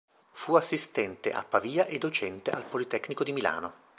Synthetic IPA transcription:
fuasːist̪ɛnt̪ḛʔa̰pːaviːaʔed̪ːot͡ʃɛnt̪eʔalpolit̪ɛkːnikod̪imila̰ːno

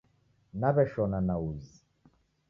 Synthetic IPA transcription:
naβɛʃɔnanauzi

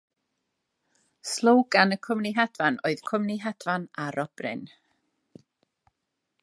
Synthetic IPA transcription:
slˠowɡanəkʰʊmniɦɛdvanoɨð̥kʰʊmniɦɛdvanaɾʔɔb̥rɪ̰n

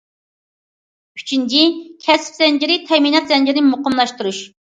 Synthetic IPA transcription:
y̥t͡ʃʰint͡ʃikʲʰɛspz̥ɛnd͡ʒɪɾɪt̪ʰɛminɑt̪zɛnd͡ʒiɾɪnɪmoqəmlˠɑʃt̪uɾuʃ

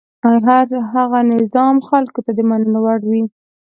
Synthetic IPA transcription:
aɦaɾɦaɣanɪzɑmxalkot̪ad̪əmanənawaɽwi

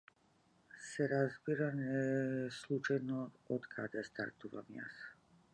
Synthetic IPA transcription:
sɛɾazbiɾanɛslˠut͡ʃajnɔ | ɔt̪kʰad̪ɛst̪a̰ɾt̪uva̰mja̰s

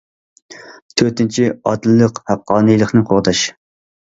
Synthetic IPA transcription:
t̪ʰøɾt̪ɪnt͡ʃʰiɑd̪lːəqhæqːɑːnɨjlˠəχnɨqʰoʁd̪ɑʃ

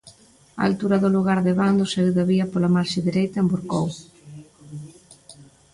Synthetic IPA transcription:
a̰a̰lt̪uɾɐðʊluɣaɾðeβand̪osewðaβiɐpolamaɾʃeðiɾejt̪ɐembuɾkow

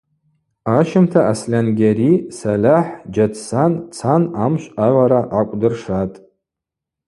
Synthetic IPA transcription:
aʃɪmtʰaʔaslʲanɡʲaɾisalʲaħd͡ʒatʰsant͡sʰanamʃʷʼaʕʷaɾaʔakʷʼdɨrʂatʼ

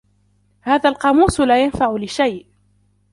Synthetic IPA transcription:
haːðaːlqɑːmuːsʊlaːjanfaʕʊlɪʃajʔ

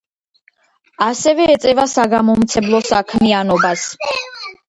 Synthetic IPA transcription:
asɛvɛːt̪sʼɛvasaɡamɔmt̪sʰɛmlˠɔsakʰmianɔbas

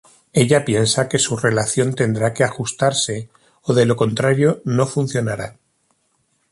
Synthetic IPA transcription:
e̞ʎapje̞nsake̞sure̞laθjo̞nt̪e̞nd̪ɾake̞axust̪aɾse̞ | oðe̞lo̞ko̞nt̪ɾaɾjo̞no̞fun̟θjo̞naɾa

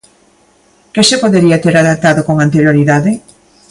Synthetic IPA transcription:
kesepoðeɾiɐat̪eɾaðap̚t̪aðokoŋant̪eɾjoɾiðaðɪ

